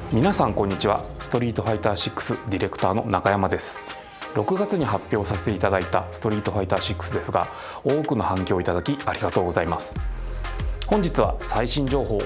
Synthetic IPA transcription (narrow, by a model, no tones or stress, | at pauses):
mʲinasãŋkõ̞ɲ̟ːit͡ɕiβa̰sɨ̥t̪o̞ɾʲiːt̪o̞ɸait̪aːɕikːɯ̥sɨd̪ʲiɾe̞kɯ̟̥t̪aːno̞̰nakajamad̪e̞sɨ̥ | ɾo̞kɯ̟ɡat͡sɨɲ̟iɦapʲːjo̞ːsase̞̥t̪e̞it̪ad̪ait̪asɨ̥t̪o̞ɾʲiːt̪o̞ɸait̪aːɕikːɯ̥sɨd̪e̞sɨɡa̰ | o̞ːkɯ̟no̞hãŋkʲo̞ːit̪ad̪akʲiaɾʲiɡat̪o̞ːɡo̞zaimasɨ̥ | hõ̞ɲ̟d͡ʑit͡sɨβa̰saiɕĩɲ̟d͡ʑo̞ːɦo̞ː